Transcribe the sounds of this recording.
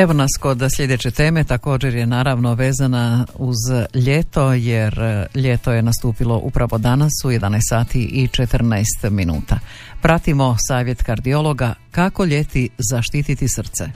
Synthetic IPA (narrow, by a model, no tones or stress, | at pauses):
eʋonasko̞d̪slʎʲe̞d̪et͡ɕe̞t̪e̞ːme̞t̪ako̞ːd͡ʒe̞ɾjenaːɾaʋno̞ʋe̞ːzanauzʎet̪o̞jeɾʎet̪o̞je̞nast̪uːpilˠo̞ʔṵpɾaʋod̪anasuje̞d̪anajst̪saːt̪iʔit͡ʃet̪r̩najst̪minṵːt̪a | pɾat̪imo̞saːʋje̞t̪kaɾd̪io̞lˠo̞ɡakako̞ʎe̞t̪izaʃt̪it̪it̪isr̩t̪se